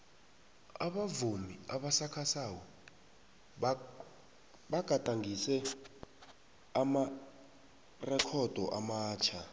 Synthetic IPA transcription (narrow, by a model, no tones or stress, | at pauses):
a̰ɓavumiaɓasakʰasawɔ | ɓaɡ̥ʱʼatʼaŋɡʱisɛ | ama | rɛkʰɔd̥ʱɔ̰ʔamaːt͡ʃʰa